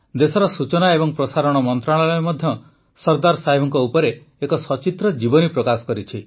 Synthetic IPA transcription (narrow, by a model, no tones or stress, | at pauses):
d̪esɔɾɔsut͡ʃɔnaebɔŋpɾɔsaɾɔɽ̃ɔmɔnt̪ɾaɭalɔjmɔd̪ʱjɔ | sɔɾd̪aɾsaɦibʱɔŋkɔupɔɾeː | kɔsɔt͡ʃit̪ɾɔd͡ʒibɔnipɾɔkasɔ̥kɔɾit͡ʃʰi